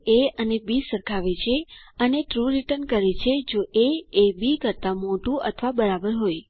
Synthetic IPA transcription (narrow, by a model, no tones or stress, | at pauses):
eənebisəɾkʰaʋet͡ʃʰeəneʈɾuɾiʈəɾnkəɾet͡ʃʰed͡ʒoʔeebikəɾt̪amoʈũʔə̰t̪ʰʋabəɾabəɾɦoj